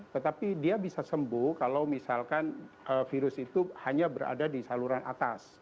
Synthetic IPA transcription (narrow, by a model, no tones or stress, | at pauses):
t̪ət̪apidiabisasəmbʊhkalawmisalkanəfiɾʊsit̪uhaɲabəɾa̰dadisaluɾanʔa̰t̪as